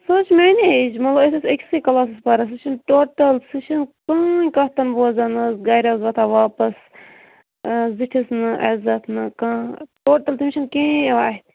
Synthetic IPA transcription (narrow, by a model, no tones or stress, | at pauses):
soːt͡ʃʰmeːned͡ʒmɐt̪lɐbet̪esekʲsikɐlaːs̬ɨspɐɾɐs̬ɨʃinʈoːʈɐlsɨʃinkãːkɐt̪ɐnboːzɐnɨsɡaːɾʲazʋɐt̪ʰaːʋaːpɐs | ziʈʰisnɨʔɐzɐt̪ʰnɨkãːʈoːʈɐlt̪imʲʃinkẽːʋaːɦit̪